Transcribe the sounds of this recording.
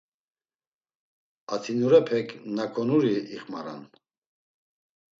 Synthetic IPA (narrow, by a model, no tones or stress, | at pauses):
at̪ʰinuɾɛpʰɛkʰnakʰɔnuɾiḭχmaɾa̰n